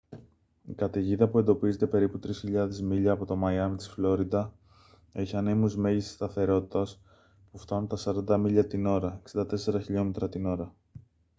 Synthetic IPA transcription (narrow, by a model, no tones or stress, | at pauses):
ikɐt̪eʝiðɐpue̞nd̪o̞pize̞t̪e̞pe̞ɾiput̪ɾisçiʎɐðe̞zmiʎɐːpo̞t̪o̞mɐjɐmit̪i̥sflo̞ɾid̪ɐ | e̞çiɐnemuzme̞ʝist̪i̥st̪ɐθe̞ɾo̞t̪i̥t̪ɐs | puft̪ɐnunt̪ɐsɐɾɐnd̪ɐmiʎɐt̪ino̞ɾɐeksind̪ɐt̪e̞se̞ɾɐçiʎo̞me̞t̪ɾɐt̪ino̞ɾɐ